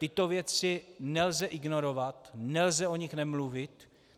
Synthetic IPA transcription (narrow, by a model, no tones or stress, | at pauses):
t̪ɪt̪ovjɛt͡sɪnɛlzɛʔɪɡno̞ɾovat̪nɛlzɛo̞ɲɪxnɛmluvɪt̪